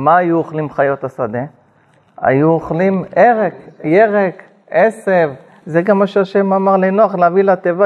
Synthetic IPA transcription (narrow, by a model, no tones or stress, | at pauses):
maːjuoχlimχajo̞t̪asad̪e̞ | a̰juoχlimeʁekjeʁek | esev | zeɡamaʃeaʃemamaʁlenoaχleavilat̪eva